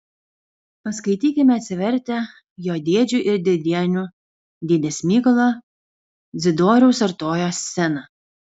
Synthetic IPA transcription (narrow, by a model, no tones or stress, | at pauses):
pɐskɐɪt̪ʲiːkʲɪmʲɛɐt̪ʲsʲɪʋʲɛɾʲt̪ʲɛ | joːd̪ʲeːd͡ʒʲʊʔɪɾd̪ʲɪɾʲd̪ʲiɛnʲʊ | d̪ʲid̪ʲɛsʲmʲiːkɐlˠoː | d̪zʲɪd̪oːɾʲɛʊsɐɾt̪oːjoːsʲːɛnɐ